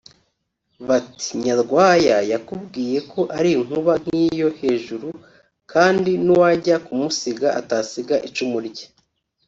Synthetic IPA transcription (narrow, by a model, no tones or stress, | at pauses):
βati̥ɲaɾɡwaːjajakubɡiːje̞kʰo̞ʔaɾiŋ̥uβaŋ̥hiːjo̞he̞ːʒuɾu | kʰaːndinuwaɟakumusiɡaʔataːsiɡaʔit͡ʃumuɾɟe